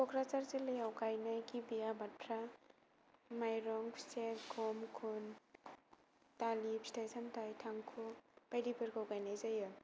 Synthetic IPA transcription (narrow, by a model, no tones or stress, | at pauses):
kɔkʰɾat͡ʃaɾzilɯjawkajnajɡibijabatʰɾa | majɾɔŋpʰseɡʰɔmkʰun | talipʰsi̥tʰajsamtʰajtʰaŋkʰub̥ajdibɯɾkawkajnajzajɯ